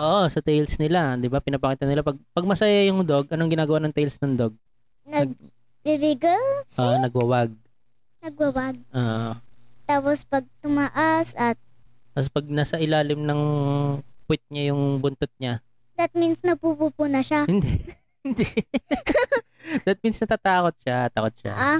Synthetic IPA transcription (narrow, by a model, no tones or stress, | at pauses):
ʔoʔosɐt̪ɛjlsnɪlad̪ɪbapɪnɐpɐkit̪ɐnɪlapɐɡ̚pɐɡ̚mɐsɐjajʊŋd̪oɡʔɐnoŋɡɪnaːɡɐwanɐŋt̪ɛjlsnɐŋd̪oɡ̚ | nɐɡ̚ | bibɪɡɪlʔonɐɡwɐwaɡ̚ | nɐɡ̚wɐwaɡ̚ʔoːʔot̪aːpospɐɡ̚t̪ʊmaʔasɐt̪̚t̪ɐspɐɡ̚naːsɐʔɪlaːlɪmnɐŋ | pwɪt̪̚ɲajʊŋbʊnt̪ʊt̪̚ɲa | d̪ɐt̪̚minsnɐpupupunɐʃahɪnd̪ɛ | ɪnd̪ɛ | d̪ɐt̪̚minsnɐt̪at̪aːkot̪̚ʃat̪aːkot̪̚ʃa̰ʔa